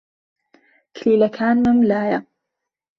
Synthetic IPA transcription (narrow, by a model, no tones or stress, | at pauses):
kʰliːlɐkʰaːnmɨmlaːjɐ